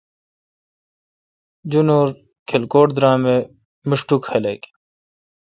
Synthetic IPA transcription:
d͡ʑunoːɾ | kʰelkoːʈd̪ɾaːme | miʂʈukxeleːk

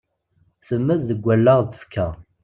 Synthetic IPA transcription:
səmːæððəɡʷːælːəʁzt̪ə̥fkʰæ

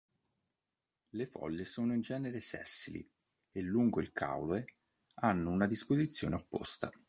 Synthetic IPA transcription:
lefɔ̰lːesoːnoind͡ʒɛːneɾesɛ̰sːilḭ | elːuŋɡoilkʰa̰wloe | anːounad̪ispozit̪sːjo̰ːneopːo̰st̪a̰

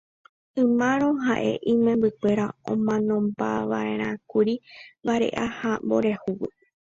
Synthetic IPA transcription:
ɨ̃mãɾ̃õ̞ɦaʔe̞̰ʔĩmẽmbɨkʷe̞ɾaõ̰mãnõ̞mbaʋae̞ɾ̃ãkuɾibaɾe̞̰ʔahambo̞ɾe̞huwɨ

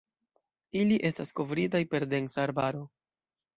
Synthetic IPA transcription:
iliʔe̞stasko̞vɾitajpe̞ɾde̞ŋsaːɾbaɾo̞

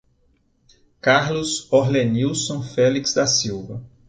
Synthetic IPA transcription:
kaɾlʊzoɦleniwsõfɛliksd̪ɐsiwvɐ

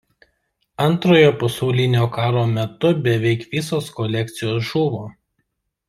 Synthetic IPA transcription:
ɐnt̪ɾoːjoːpɐsɐʊlʲɪnʲoːkɑːɾoːmʲɛt̪ʊbʲɛʋʲɛɪkʋʲɪsoːskɔlʲɛk̚t̪sʲɪjoːsʒuːʋoː

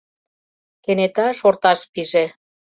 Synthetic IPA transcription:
kenet̪ɑʃort̪ɑʃpiʒe

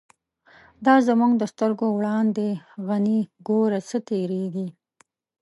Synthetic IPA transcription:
d̪ɑzamuŋɡd̪əst̪əɾɡowɽɑnd̪eɣaniɡoɾat͡sət̪eɾeɡi

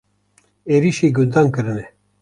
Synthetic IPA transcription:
eɾiʃiːɡund̪ɑːnkɨɾɨnɛ

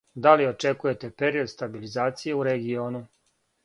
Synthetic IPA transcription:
d̪alio̞t͡ʃe̞kuje̞t̪e̞pe̞ɾio̞d̪st̪abilizaːt̪sijeuɾe̞ɡio̞ːnu

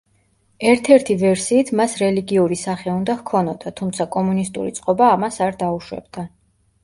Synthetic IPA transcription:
ɛɾt̪ʰɛɾt̪ʰivɛɾsiːt̪ʰmasɾɛliɡiuɾisaχɛund̪ahkʰɔnɔd̪at̪ʰumt̪sʰakʼɔmunist̪ʼṵɾit̪sʼqʼɔbaːmasaɾd̪auʃwɛ̰bd̪̥a

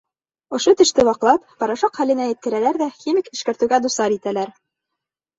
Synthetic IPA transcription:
ŏʃot̪ɘ̆ʃt̪ɘwɑqlˠɑp̚pɑɾɑʃɑqχælɘ̆næjɘ̆t̪̚kɘ̆ɾælæɾðæxʲimʲikɘ̆ʃkæ̆ɾt̪ɘ̆wɡæd̪usɑɾit̪ælæɾ

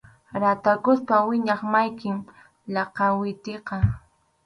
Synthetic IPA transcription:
ɾat̪akʊspawɪɲɑχmajkɪm | lɑqɑwɪt̪eqɑ

